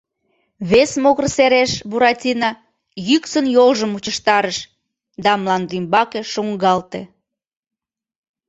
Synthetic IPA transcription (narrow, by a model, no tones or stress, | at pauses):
βesmoɣərseɾeʃβuɾɑtʲinɑ | jyksənjolʒəmut͡ɕəʃt̪ɑɾəʃ | d̪ɑmlˠɑnd̪imbɑkeʃuŋɡɑlt̪e